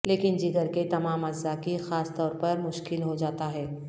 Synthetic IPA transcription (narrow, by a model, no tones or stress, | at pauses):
leːkɪnd͡ʒiɡəɾket̪ɐmaːmɐzːakixaːst̪ɔːɾpɐɾmʊʃkɪlɦod͡ʒaːt̪aɦɛː